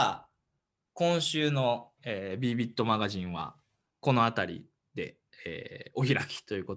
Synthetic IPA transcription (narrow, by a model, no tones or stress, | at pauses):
kõ̞ɰ̃ɕɨːno̞ | eːbʲiːbʲit̪ːo̞maɡaʑĩɰ̃βa̰ | ko̞no̞at̪aɾʲḭ | d̪e̞̰ | ḛːo̞çiɾakʲi̥t̪o̞jɯ̟kot